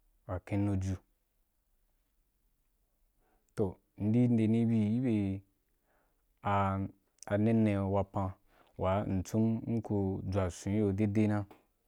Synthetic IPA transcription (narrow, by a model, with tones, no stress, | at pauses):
wa˨kẽ˧nu˧d͡ʒu˧ | to˨ | n̩˦di˦n̩˦de˧nĩ˦bi˧i˦be˧ | a˧ | a˧ne˦nːẽ˧wa˧pã˧ | wʔa˨˦n̩˨t͡sũ˦mŋ̩˦ko˧d͡zʷa˨sĩ˨˦jo˧de˦de˦nã˦